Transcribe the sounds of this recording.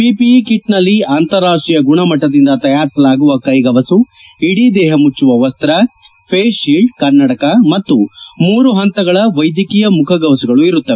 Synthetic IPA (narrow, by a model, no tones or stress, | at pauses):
piːpikiʈnɐlːiaːnt̪ɐɾːaːʂʈɾijɐɡuɳɐmɐʈːɐd̪ind̪ɐt̪ɐjaːɾisɐlaːɡuʋɐkɐjɡɐʋɐsu | iɽid̪ɛːɦɐmut͡ʃːuʋɐʋɐst̪ɐɾɐ | pʰeːʃiɭɖkɐɾnːɐʈɐkɐmɐt̪ːumuːɾuɦɐnt̪ɐɡɐɭɐʋɐjd̪jɐkiːjɐmukʰɐɡɐʋɐsuɡɐɭuiɾut̪ːɐʋɛ